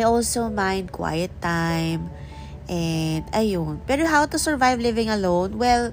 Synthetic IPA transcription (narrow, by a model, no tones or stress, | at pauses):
jɔlsomãj̃nd̪̚kwa̰jət̪ːajm | ʔɛnd̪ɐjonpɛɾoɦawt̪usɛɹvajvlɪvɪ̃ŋɐlõwnwɛl